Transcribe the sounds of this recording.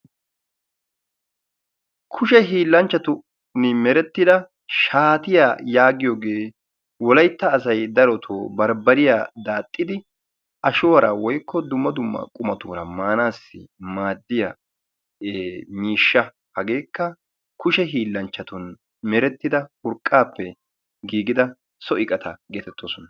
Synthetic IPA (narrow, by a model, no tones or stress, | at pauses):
kʰʊʃɛɦiːlːɐnt͡ʃːɐt̪ʊ | nɪmɛɾɛt̪ːɪd̪ɐ | ʃaːt̪ɪjajaːɡɪjoːɡe̞ː | wɔlɐjt̪ːɐːs̬ɐjd̪ɐɾɔt̪ʰoːbɐɾbɐɾɪjaːd̪aːt̪ʼːɪd̪ɪ | ʔɐʃʊːɐɾa̰wɔjkːɔd̪ʊmːɐd̪ʊmːɐ̰kʼʊmɐt̪uːɾɐmaːnaːsːɪ̰maːd̪ːɪjɐ | miːʃːɐ | hɐɡe̞ːkːɐ | kʊʃɛɦiːlːɐnt͡ʃːɐt̪ɔn | mɛɾɛt̪ːɪd̪ɐhʊɾkʼːaːpːɛ | ɡiːɡɪd̪ɐ | sɔɪkʼɐt̪ʰɐɡeːt̪ɛt̪ːoːsɔnɐ